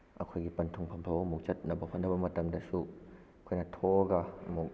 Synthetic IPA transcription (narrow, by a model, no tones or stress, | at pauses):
ʔɐkʰojɡipɐntʰuŋpʰɐmpʰawmɔk̚t͡ʃɐt̚nɐbɐpʰɐndɐbɐmɐtɐmdɐsu | kʰojnat̪ʰɔɡamɔ